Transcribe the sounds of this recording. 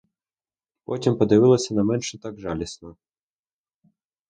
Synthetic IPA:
pɔtʲimpɔd̪ɪʋɪlˠɐsʲɐnɐmɛnʃɛt̪ɑɡʒɑlʲisnɔ

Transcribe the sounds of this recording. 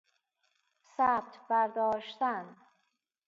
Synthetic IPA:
sæːb̚t̪ʰbæɾd̪ɒːʃt̪æn

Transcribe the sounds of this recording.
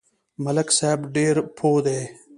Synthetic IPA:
mɐləksabɖeːɾpʰoːd̪eː

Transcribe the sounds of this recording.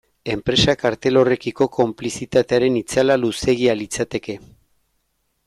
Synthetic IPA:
e̞mpɾe̞sakaɾt̪e̞lo̞re̞kiko̞ko̞mplisit̪at̪e̞aɾe̞nit͡salaluse̞ɣ̞ialit͡sat̪e̞ke̞

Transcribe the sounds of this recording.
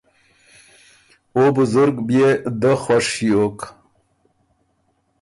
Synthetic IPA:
obʊzʊɾɡbjed̪əχwaʂiok

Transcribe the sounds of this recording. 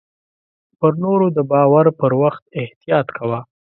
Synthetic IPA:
pəɾnoɾod̪əbɑwaɾpəɾwaxt̪̚ɪht̪ijɑt̪kʰawa

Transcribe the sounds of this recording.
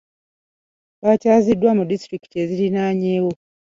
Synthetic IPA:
βacaːzidːwamudistɾiki̥te̞ːzilinaːɲeːwo̞

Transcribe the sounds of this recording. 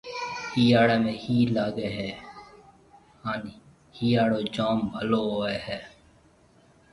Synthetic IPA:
hiːaːɽeːmẽːhiːlaːɡeːɦɛː | haːni | hiːaːɽoːd͡ʒaːmbʱəloːɦoːeːhɛː

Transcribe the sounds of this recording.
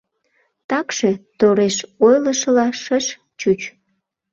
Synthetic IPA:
t̪ɑkʃe̽t̪oɾeʃojləʃəlɑʃəʃ | t͡ɕut͡ɕ

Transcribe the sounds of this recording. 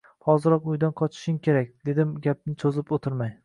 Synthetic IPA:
hɒzɪɾɒqʊjd̪anqʰɒt͡ʃʰɪ̥ʃɪŋkʲʰe̞ɾakʲd̪̥e̞d̪ɪmɡʲap̚nɪsʰozɪpot̪ʰɪɾmaj

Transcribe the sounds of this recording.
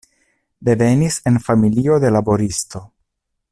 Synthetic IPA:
de̞ve̞nise̞nfamilio̞d̪e̞labo̞ɾist̪o̞

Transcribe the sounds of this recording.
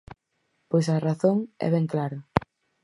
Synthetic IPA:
pojsɐraθoŋɛ̰βeŋklaɾɐ

